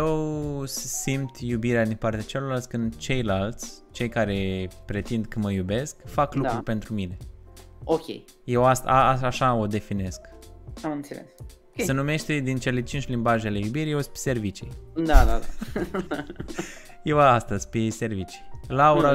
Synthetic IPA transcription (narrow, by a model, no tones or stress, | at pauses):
jew | simt̪jubiɾead̪inpart̪eat͡ʃelorlalt̪sʲkɨnd̪t͡ʃe̞jlalt̪sʲ | t͡ʃe̞jkaɾe̞pɾe̞t̪ind̪kəməjube̞skfaklukɾurpe̞nt̪ɾumine̞ | okʲḛj | je̞wast̪aaaʃao̞d̪e̞fine̞skamɨnt̪sḛlḛsokʲesenume̞ʃt̪ed̪int͡ʃe̞le̞t͡ʃint͡ʃʲlimbaʒele̞jubiɾʲijewspe̥se̞rvit͡ʃijd̪ad̪ad̪a | jewaast̪əz̥ʲspese̞rvit͡ʃi̥jlauɾa